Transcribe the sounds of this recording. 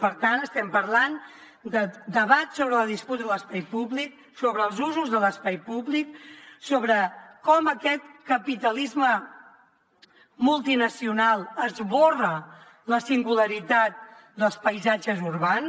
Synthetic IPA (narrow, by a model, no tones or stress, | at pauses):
pəɾt̪anəst̪ɛmpəɾlan | d̪əd̪əβat̪soβɾəlðisput̪əðələspajpuβlik̚ | soβɾəːlˠzuzuzðələspajpuβliksoβɾəkɔməkɛt̪̚kəpit̪əlizmə | mulˠt̪inəsiunalˠəzβorə | ləsiŋɡuləɾit̪at̪̚d̪əlˠspəjzad͡ʒəzuɾβan